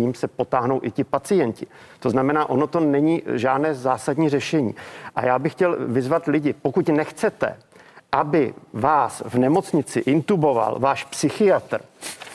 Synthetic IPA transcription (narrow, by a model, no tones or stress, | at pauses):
iːmsɛpo̞t̪aːɦnowʔɪcɪpat͡sɪjɛncɪt̪oznamɛnaːʔo̞no̞t̪o̞nɛɲiːʒaːdnɛːzaːsadɲiːr̝ɛʃɛɲḭːʔa̰jaːbɪxcɛlvɪzvat̪lɪɟɪpo̞kucnɛxt͡sɛt̪ɛ̰ | ʔabɪvaːsvnɛmo̞t͡sɲɪt͡sɪʔɪnt̪ubo̞va̰lvaːʃpsɪxɪjat̪r̩